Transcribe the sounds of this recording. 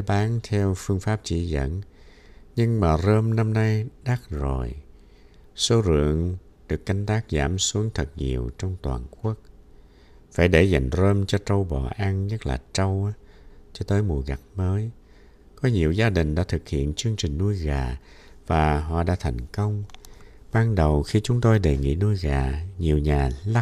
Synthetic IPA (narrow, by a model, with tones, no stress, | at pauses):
ɓaː˨˦nt̪ʰɛ˧wfɨ˧əŋfaː˦˥p̚t͡ɕḭ˧˩zə̰˧˥n | ɲɨ˧ŋmaː˨˩zəː˧mna˧mna˧jɗa˦˥k̚zo˨˩j | so˧˦zɨ̰˧˨əŋ | ɗɨ˨˩kːa˧jŋ̟t̪aː˦˥k̚za̰ː˧˩msu˨˦əŋt̪ʰɨ˨˩t̚ɲḭ˨˩əwt͡ɕɔ˧wŋ͡mt̪wa̰ː˨˩nku˦˥ək̚ | faː˧˩jɗe˧˩za˨˩jŋ̟zəː˧mt͡ɕɔ˧t͡ɕə˧wɓɔ̰˧˨˩ʔa˧nɲə˦˥t̚la̰ː˨˩t͡ɕə˧w | t͡ɕɔ˧t̪əː˨˦jmu˨˩əɣa˨˩t̚məː˨˦j | kɔ˨˦ɲi˨˩əwzaː˧ɗï˨˩ŋ̟ɗa̰ː˧˥t̪ʰɨ˨˩k̚hḭ˧˨ənt͡ɕɨ˧əŋt͡ɕï˨˩ŋ̟nu˧jɣaː˨˩ | vaː˨˩ɦɔ̰˧˨ɗa̰ː˧˥t̪ʰa˨˩jŋ̟kə˧wŋ͡mɓaː˧ŋɗə˨˩wxi˧t͡ɕʊ˨˦ŋ͡mt̪o˧jɗe˨˩ŋḭ˧˥nu˧əjɣaː˨˩ɲi˨˩əwɲaː˨˩la˦˥